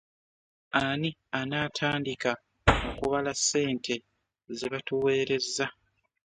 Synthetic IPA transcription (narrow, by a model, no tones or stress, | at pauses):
anianaːtʰaːndika | okuβalasːe̞ːntʰe̞ | zeβatuwe̞ːɾe̞zːa